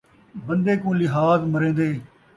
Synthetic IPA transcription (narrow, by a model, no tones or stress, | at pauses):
bənd̪eːkũːlɪɦaːzməɾẽːnd̪eː